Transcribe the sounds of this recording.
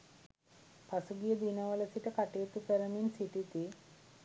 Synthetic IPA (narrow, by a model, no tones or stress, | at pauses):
pʰasuɡijəd̪inəʋələsiʈəkaʈeːt̪ukəɾəminsiʈit̪i